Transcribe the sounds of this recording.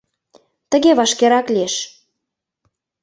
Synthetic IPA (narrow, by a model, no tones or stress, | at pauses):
t̪ə̆ɣeβɑʃkeɾɑklieʃ